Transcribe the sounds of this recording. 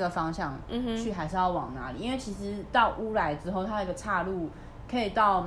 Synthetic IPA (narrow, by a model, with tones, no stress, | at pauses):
ɡə˨˩fɑ˥ŋɕjɑ˥˨ŋ̩˧t͡ɕʰy˥˩xa˧˥ɪʂɻ̩˥˧jɑ˥˩ʊwɑ˨˩ŋna̰˧˥lḭ˨˧˦nwe˥˩ɪt͡ɕʰi˧˥ʂɻ̩˧˥t̪ɑ˥˩ʊʔu˥la˧˥ɪʈ͡ʂɻ̩˥xo˥˩ʊt̪ʰa˥d̪ə˨i˧˥ɡə˨˧ʈ͡ʂʰa˥˧lu˥˩ | kʰɤ˧˥i˨˩t̪ɑ˥˩ʊ